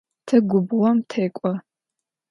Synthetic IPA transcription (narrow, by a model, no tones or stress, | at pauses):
tʰɨɡʷʊbʁʷɔmtʰeːkʷʼɔ